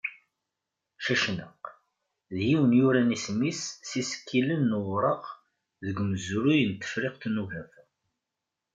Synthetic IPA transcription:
ʃæʃnəq | ðjiwənjuɾænismisːisə̥kːilənːəwɾˤɑq | ðəɡməzuɾujənt̪ːə̥fɾɪqθnuvæf

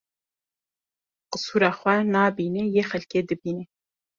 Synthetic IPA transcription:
qɨsuːɾɑːχʷɛnaːbiːnejexɛlked̪ɨbiːne

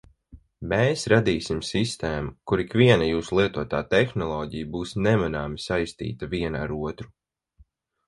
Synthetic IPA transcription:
meːsɾad̪iːsimsist̪eːmukuɾikʋiɛnajuːsulˠiɛt̪uɔt̪aːt̪ɛxnɔlˠɔːɟijbuːsnɛmanaːmisajst̪ḭːt̪aviɛna̰ɾuɔt̪ɾu

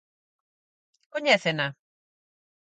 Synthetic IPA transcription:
koɲeθena

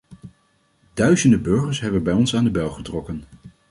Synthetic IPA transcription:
d̥œɥzəndəbɵɹχəɹsɦɛbənbɛjɔnsaːndəbɛlˠχətrɔkən

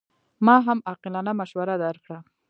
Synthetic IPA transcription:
mɑɦamɑqɪlɑnamaʃwaɾad̪aɾkɽa

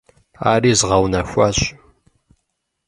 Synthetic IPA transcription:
a̰ːɾiːzʁawnɐxʷaːɕʼ

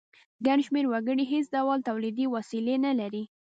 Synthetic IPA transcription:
ɡaɳʃmeɾwaɡəɽiɦes̬d̪awɑlt̪awlid̪iwasilenalaɾi

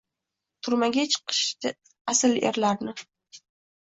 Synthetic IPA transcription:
t̪ʰʊɾmaɡʲat͡ʃʰɨ̥qʰɨ̥ʃt̪ɪ | asɪlḛɾlaɾnɪ

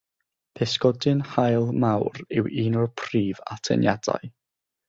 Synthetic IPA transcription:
pʰɛskɔdɨnhajlˠmawrɪ̰wiːnɔrpʰriːva̰tʰɛ̰njada̰ɨ

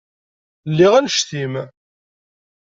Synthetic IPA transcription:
lːiʁænʃθim

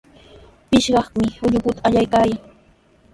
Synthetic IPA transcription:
pɪʃɢɑχmɪʊʎʊkʊt̪aaʎajkaj

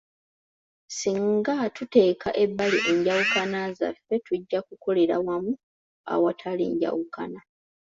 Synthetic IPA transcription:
siŋɡatute̞ːkaʔe̞bːaliʔe̞ɲɟawukanaza̰fːe̞tuɟːakuko̞le̞ɾawamu | a̰watʰalḭːɲɟa̰wukana

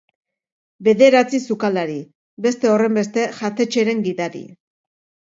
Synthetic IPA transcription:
be̞ðe̞ɾat͡sisukalaɾi | be̞st̪e̞o̞re̞mbe̞st̪e̞ʝat̪e̞t͡ʃe̞ɾe̞ŋɡiðaɾḭ

